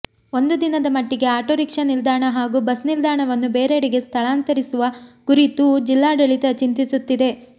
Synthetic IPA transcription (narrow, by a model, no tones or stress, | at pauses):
o̞nd̪ud̪inɐd̪ɐmɐʈːiɡe̞aːʈoːɾikʂɐnild̪aːɳɐɦaːɡuːbɐsnild̪aːɳɐʋɐnːube̞ːɾeɽiɡe̞st̪ʰɐɭaːnt̪ɐɾisuʋɐkuɾit̪ud͡ʒilːaːɖɐɭit̪ɐt͡ʃint̪isut̪ːid̪e̞